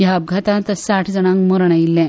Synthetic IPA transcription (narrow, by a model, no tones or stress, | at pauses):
jaːb̚ɡʱat̪ãt̪əsaʈʰd͡zənãŋkmoɾɳ̃ajilːɛ̃